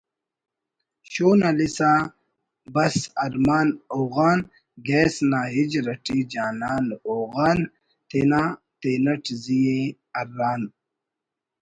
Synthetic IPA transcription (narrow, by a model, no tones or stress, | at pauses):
ɕoːnalisaː | bɐsɐɾmaːnoːɣaːn | ɡeːsnaːɦid͡ʑɾɐʈid͡ʑaːnaːnoːɣaːn | t̪eːnaː | t̪enɐʈzijẽ | ɐɾːaːn